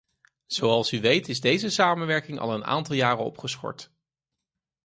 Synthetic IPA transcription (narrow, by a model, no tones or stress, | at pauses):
z̥oɑlˠsyʋejtɪzdejzəsaːmənʋɛɹkɪŋʔɑ̰lˠəna̰ːntɑlˠjaːrəɔ̰pχəsχɔ̰ɹt